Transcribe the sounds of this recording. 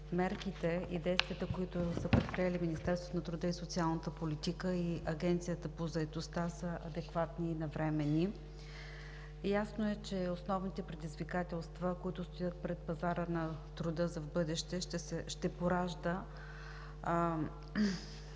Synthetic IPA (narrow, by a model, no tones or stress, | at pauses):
mɛɾkit̪ɛid̪ɛjst̪viət̪əkoit̪ʊsəpɾɛt̪̚pɾijɛliminist̪ɛɾst̪vot̪nɐt̪ɾʊd̪ɤisot̪sialˠnət̪əpolit̪ikəiɐɡɛnt̪sijət̪əpozɐɛt̪ost̪asəʔɐd̪ɛkvat̪niːnɐvɾɛmɛni | jasnoɛt͡ʃɛosnɔvnit̪ɛpɾɛd̪izvikat̪ɛlˠst̪vəkoit̪ʊst̪ojət̪̚pɾɛt̪̚pɐzaɾənɐt̪ɾʊd̪ɤzɐvbɤd̪ɛʃt̪ɛʃt̪ɛsɛʃt̪ɛpoɾaʒd̪ə